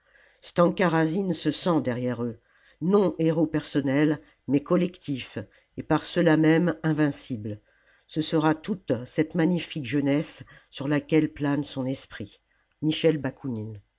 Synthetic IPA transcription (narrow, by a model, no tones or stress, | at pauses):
st̪ɑ̃kaʁazinsəsɑ̃d̪ɛʁjɛʁø | nɔ̃ʔeʁopɛʁsɔnɛl | mɛkɔlɛkt̪ʰif | epaʁsəlamɛmɛ̃vɛ̃sibl | səsəʁat̪ut̪sɛt̪maɲifikʒənɛsːyʁlakʲɛlplansɔ̃nɛspχi | miʃɛlbakʰunin